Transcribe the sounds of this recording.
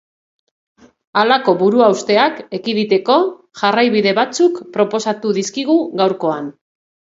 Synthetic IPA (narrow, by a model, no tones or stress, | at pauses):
alako̞βuɾuawst̪e̞ake̞kiðit̪e̞ko̞ | ʝarajβiðe̞βat͡sukpɾo̞po̞sat̪uðiskiɣ̞uɣawɾko̞an